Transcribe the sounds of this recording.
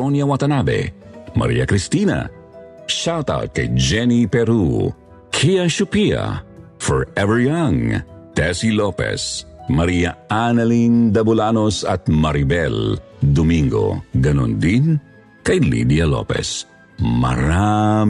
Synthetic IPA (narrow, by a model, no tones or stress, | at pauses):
onjɐwat̪ɐnabɛ̰mɐ̰ɾḭːɐkɾist̪inɐ̰ | ʃawt̪a̰wt̪̚kɐ̰jd͡ʒɛnipɛɾu | kʰiɐʃʊpia̰fɔɹɛvɛɹjɐŋt̪ɛsilopɛ̰smɐɾijɐanɐlind̪ɐbʊlanosɐt̪̚mɐɾibɛld̪omiŋɡo̰ɡɐno̰nd̪in | kɐjlḭd̪jɐlo̰pɛ̰s | mɐ̰ɾam